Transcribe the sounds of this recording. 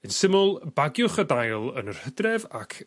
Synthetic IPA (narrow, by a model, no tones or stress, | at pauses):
ənsɪmʊlˠbaɡjʊχədajlˠənər̥hədrɛva̰kʰ